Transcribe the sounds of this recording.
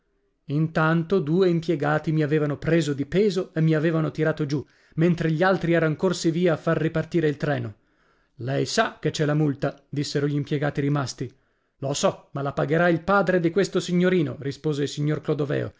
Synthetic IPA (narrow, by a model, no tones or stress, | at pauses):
int̪ant̪od̪uːeimpjeɡaːt̪imiaveːvanopɾeːzod̪ipɛːzoemːiaveːvanot̪iɾaːt̪od͡ʒu | ment̪ɾeʎialt̪ɾiɛːɾanokorsiviːaːfːarːipart̪iːɾeilt̪ɾɛːno | lɛjsak̟et͡ʃːɛlːamult̪ad̪isːeɾoʎimpjeɡaːt̪iɾimast̪i | losɔmalapaɡeɾailpaːd̪ɾed̪ikwest̪osiɲːoɾiːno̰rispoːzeilsiɲːorklod̪ovɛ̰ːo̰